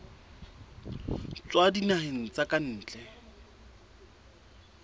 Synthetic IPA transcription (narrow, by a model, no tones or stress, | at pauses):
t͡swadinahɪn̩t͡sakʼan̩ːt͡ɬʼɛ